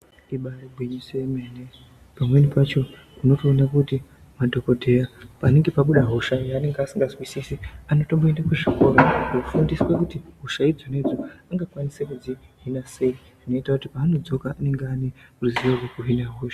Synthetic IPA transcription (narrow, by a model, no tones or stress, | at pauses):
iɓareɡʱweɲuseemene | pamwenipat͡ʃo̞ | kuno̞toːnakuti | madʱo̞ko̞dʱe̞japane̞ŋɡe̞paɓuɗaɦo̞ʃaane̞ŋɡeasiŋɡazwisisiano̞to̞mboendakweʐiko̞rookufundiswekutiɦoʃaid͡zone̞d͡zoaŋɡakwanisekud͡ziɦinase̞i | ʐino̞itakutipaːno̞d͡zo̞kaːne̞ŋɡeaneuruziʋarwekuɦinaɦoːʃḁ